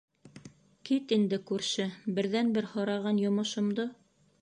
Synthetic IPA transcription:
kit̪ind̪ɘkʉɾʃɘbɘ̆ɾðænbɘɾhɑɾɑʁɑnjŏmɤ̆ʃŏmd̪o

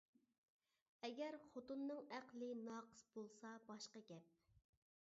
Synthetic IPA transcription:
ɛɡʲɛɾχot̪unːɨŋæqlˠɨnɑqʰə̥sbolˠsɑbɑʃqɑɡʲɛp̚

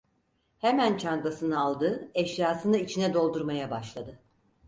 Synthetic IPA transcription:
hemænt͡ʃʰanɡ̪asɯnɯalˠd̪ɯɛʃjaːsɯnɯit͡ʃʰinɛd̪o̞lˠd̪uɾmajabaʃlˠad̪ɯ

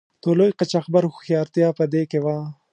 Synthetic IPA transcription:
t̪olojqat͡ʃaxbaɾxxijɑːɾt̪jɑːpəd̪eːkewaː

